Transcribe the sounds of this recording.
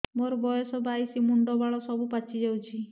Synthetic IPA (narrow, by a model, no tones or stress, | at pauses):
moɾɔbɔjɔsɔbajsimuɳɖɔbaɭɔsɔbupat͡ʃʰid͡ʒawt͡ʃʰi